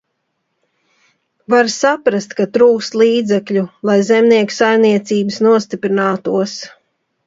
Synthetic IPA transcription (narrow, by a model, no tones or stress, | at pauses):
vaɾsapɾast̪kat̪ɾuːkst̪lˠiːd̪zɛkʎulˠajzɛmniɛku̥sajmniɛt̪siːbɨsnuɔst̪ipɾinaːt̪uɔs